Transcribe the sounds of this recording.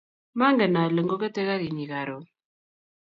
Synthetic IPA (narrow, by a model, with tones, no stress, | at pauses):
ma˦ŋɡə˨na˨lə˨ŋɡo˦kɛ˦te˦ka˦ɣi˨ɲi˨ka˨ɾo˨